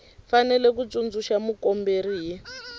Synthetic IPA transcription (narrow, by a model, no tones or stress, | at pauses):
fanɛlɛk̬ut͡sund͡zuʃamukɔmberiɦi